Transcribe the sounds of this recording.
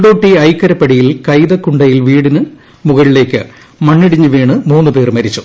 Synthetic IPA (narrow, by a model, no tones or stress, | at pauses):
ɽoːʈːiɐjkːɐɾɐpːɐɽijilkɐjðɐkːuɳɖɐjilʋiːɽinɨ | muɣɐɭile̞ːkːɨ | mɐɳːiɽiɲːɨʋiːɳɨmuːnːɨpe̞ːrmɐɾit͡ɕːu̥